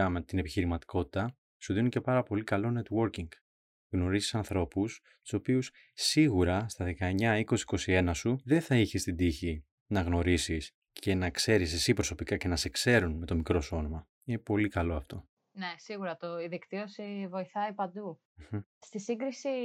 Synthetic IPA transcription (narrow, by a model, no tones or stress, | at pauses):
ɐmet̪ine̞piçiɾimɐt̪i̥ko̞t̪i̥t̪ɐ | suðinice̞pɐɾɐpo̞likɐlo̞ne̞t̪wo̞ɾciŋɡ | ɣno̞ɾizi̥sɐnθɾo̞pus | t̪u̥so̞pius | sːiɣuɾɐst̪ɐðe̞kɐeɲɐiko̞siko̞sie̞nɐsuðe̞θɐiçest̪id̪içi | nɐɣno̞ɾisis | ce̞nɐkse̞ɾis̬e̞sipɾo̞so̞pikɐce̞nɐse̞kse̞ɾunme̞t̪o̞mikɾo̞so̞nomɐ | ine̞po̞likɐlo̞ɐft̪o̞ | nesiɣuɾɐt̪oiðikt̪iosivo̞iθɐipɐnd̪u | m̩st̪isiŋɡɾisi